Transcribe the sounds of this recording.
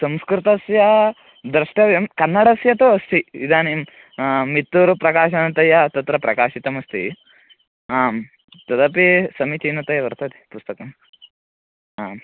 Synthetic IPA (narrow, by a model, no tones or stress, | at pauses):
sɐmskɾit̪ɐsjɐ | d̪ɾɐʂʈɐʋjɐmkɐnːɐɽɐsjɐt̪oɐst̪iid̪ʱaːnim | mit̪ːuɾupɾɐkaːʃɐnɐt̪ɐjɐt̪ɐt̪ɾɐpɾɐkaːʃit̪ɐmɐst̪ḭ | aːm | t̪ɐd̪ɐpisɐmit͡ʃ̪inɐt̪ɐjɐʋɐɾt̪ɐt̪i̥pust̪ɐkɐm | aːm